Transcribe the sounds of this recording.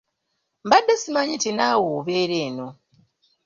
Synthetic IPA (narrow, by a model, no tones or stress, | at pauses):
mbadːesimaɲitinawoβeːɾeːno̞